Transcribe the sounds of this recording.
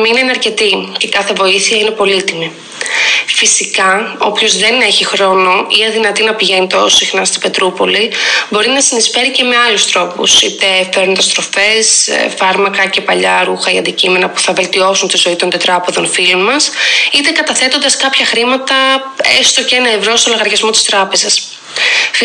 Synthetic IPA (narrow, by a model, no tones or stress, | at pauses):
minenɐɾce̞t̪ice̞kɐθe̞vo̞iθiɐine̞po̞lit̪imi | fisikɐo̞pço̞zðe̞ne̞çixɾo̞no̞iɐðinɐt̪inɐpiʝe̞nit̪osixnɐst̪i̥b̥e̞t̪ɾupo̞libo̞ɾinɐsinisfe̞ɾice̞me̞ɐlust̪ɾo̞pṵsit̪e̞feɾunt̪ɐst̪ɾo̞fe̞sfɐɾmɐkɐce̞pɐʎɐɾuxɐiɐ̰nd̪icime̞nɐpuθɐve̞lt̪io̞sunt̪izo̞it̪o̞nd̪et̪ɾɐpe̞ðo̞nfilonmɐsit̪e̞kɐt̪ɐθe̞t̪o̞nd̪ɐskɐpçɐxɾimɐt̪ɐ | ḛst̪oceenɐevɾo̞st̪o̞loɣɐɾʝɐzmo̞t̪i̥st̪ɾɐpe̞zɐs